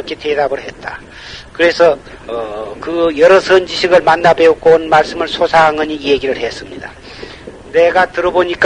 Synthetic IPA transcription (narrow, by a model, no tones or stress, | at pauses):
kʰetedabɯɭɦe̞t̚t͈a | kɯɾe̞sʰʌ | ʌkɯjʌɾʌsʰɯnd͡ʑiɕʰiɡɯɭmanːabeok͈oonmaɭs͈ɯmɯɭsʰosʰaɦaŋɯɲijeɡiɾɯɭhe̞s͈ɯmɲida̰ | ne̞ɡatɯɾʌboɲik͈